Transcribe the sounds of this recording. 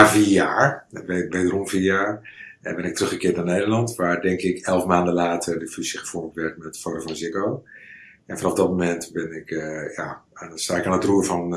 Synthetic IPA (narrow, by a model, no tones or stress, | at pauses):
avijaːrbebedərumviəjaːɹ | ɛnbɪnɪk̚trøχχəkɪːtnaneːdərlɑntʋaːrdɛŋkɪkʰɛlˠfmaːndəlaːtʰərdəfysiχəfɔnətʋɛrtmɛttfotofɔnzɪkow | ɛnfɔnɔfdɔt̚momɛntbɪnɪkjanstaːɪkaːnətruəfɔn